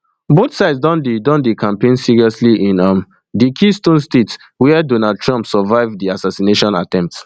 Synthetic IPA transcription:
boθsaɪdsdãndidɔ̃ndikʰãmpẽnsiɹiɔsliʔĩnam | dikʰistõnstet | wɛɛdonad̚tʰɹɔ̃mpsɔvaɪvdiasasineʃɔ̃na̰tɛ̃mp̚ts

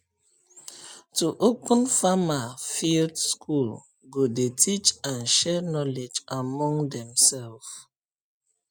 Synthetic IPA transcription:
tuʔokə̃nfamafildskʰul | ɡodetʰit͡ʃãnʃɛnɔled͡ʒamɔ̃ŋdɛ̃msɛlf

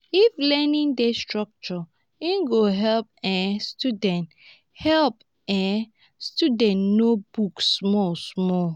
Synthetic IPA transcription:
iflɛnĩndestɹɔk̚t͡ʃɔ | ĩnɡoɦɛlp̚ɛ̃studɛ̃nt | hɛlp | ɛ̃ | studɛ̃ntnobuksmɔlsmɔl

